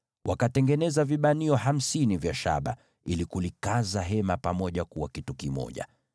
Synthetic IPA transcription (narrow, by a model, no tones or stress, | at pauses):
wʔakatɛŋɡɛnɛzaviɓaniɔɦam̩sinivjaʃa̰ɓa̰ | ilikulikazaɦɛmapamɔʄakuwakitukimɔ̰ʄa̰